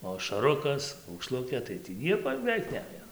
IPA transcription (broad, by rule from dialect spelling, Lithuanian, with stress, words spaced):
oː ɐʃɐˈrʊkɐs ɐʊkˈʃlˠʊkʲeː tɐɪ tʲiː ˈnʲiɛkoː jɛʊ bʲɛˈʋʲɛɪk ˈnʲæːjoː